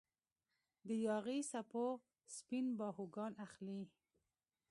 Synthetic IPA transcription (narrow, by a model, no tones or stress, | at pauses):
d̪əjɑɣisapo | spinbɑhuɡɑnaxli